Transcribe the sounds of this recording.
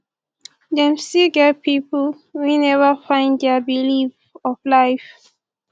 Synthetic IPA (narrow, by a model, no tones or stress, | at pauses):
dɛ̃msiɡɛpipl | winɛvəfãɪ̃ndɛbiliv | ɔflaɪf